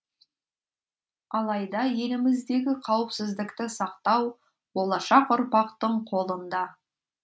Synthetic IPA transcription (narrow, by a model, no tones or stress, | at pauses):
ɑlˠɑjd̪ɑje̞lɪmɪzd̪e̞ɡʲɪqʰɑwəpsɪzd̪ɪkt̪ɪsɑqt̪ɑw | bo̞lˠɑʃɑqʊɾpɑqt̪əɴqʰo̞lˠənd̪ɑ